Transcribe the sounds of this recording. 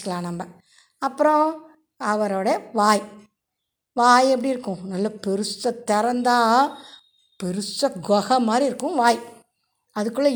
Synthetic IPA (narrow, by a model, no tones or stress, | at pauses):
kːɐlãːnɐmbɐ | ɐpːɯɾɔ̃ | ɐʋɐɾoːɽɐɐʋaːj | ʋaːjɛp̬ːɐɽiɾɯkːʊ̃nɐlːɐpɛɾɯsɐt̪ːɛɾɐnd̪aː | pɛɾɯsɐɡɔɣɐmaːd̪ɾiɪɾɯkːʊ̃ʋaːj | ɐðɯkːɯɭːɐ